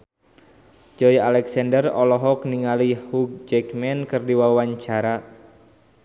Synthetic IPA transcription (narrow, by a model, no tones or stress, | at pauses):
d͡ʒɔjalɛksandərɔlɔɦɔk̚niŋalihuk̚d͡ʒɛkmɛnkɨrdiwawaɲt͡ʃaɾa